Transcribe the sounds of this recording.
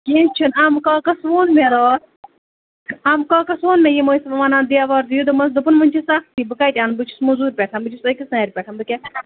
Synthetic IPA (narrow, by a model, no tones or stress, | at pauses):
kiːnt͡ʃʰinɐmkaːkɐsʋoːnmeɾoː | ɐmkaːkɐsʋoːnmejimoːisʋɐʋaːnãːnd̪ijaːʋaːɾd̪ɨjud̪ɨmɐs̬d̪upɨnmɨnʲt͡ʃʰisɐxt̪ʰiːbɨkaːjt̪ʲaːnbɨt͡ʃʰi̥smuzuːɾʲpʲeːʈʰanbɨt͡ʃʰisɐkʲisnaːɾʲpʲeʈʰanbɨkʲe